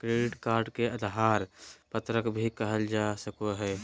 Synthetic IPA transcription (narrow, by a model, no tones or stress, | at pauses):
kɾeːɖɪʈkaːɾɖkeəd̪ɦaːɾpət̪ɾəkbʱikəɦəld͡ʒasəkoɦɛː